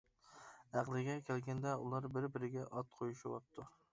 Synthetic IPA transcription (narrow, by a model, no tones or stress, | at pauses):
æqlˠɪɡʲɛkʲʰɛlɡʲɛnd̪ɛulˠɑɾbɪɾbɪɾɪɡʲɛʔɑt̪̚qʰojuʃwɑp̚t̪ʰːu